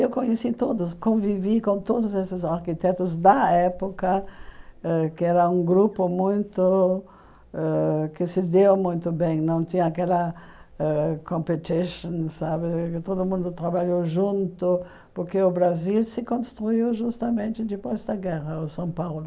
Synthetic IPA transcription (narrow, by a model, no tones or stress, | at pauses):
ewkõɲesit̪od̪ʊskõvivikõnt̪od̪ʊzesɪzaɾkit̪ɛt̪ʊzd̪ɐɛpokɐ | ɛkɪɛɾɐũɡɾupʊmũj̃t̪ʊ | ɛkɪsɪd̪ewmũj̃t̪ʊbẽj̃nɐ̃w̃t̪ĩɲɐakɛlɐ | ɛkõmpet̪iʃõnsaβɪkɪt̪od̪ʊmũnd̪ʊt̪ɾaβaʎowʒũnt̪ʊ | poɾkeʊbɾazilsɪkõnst̪ɾuiwʒust̪ɐmẽnt̪ɪd̪ɪpojzd̪ɐɡɛʁɐʊsɐ̃w̃pawlʊ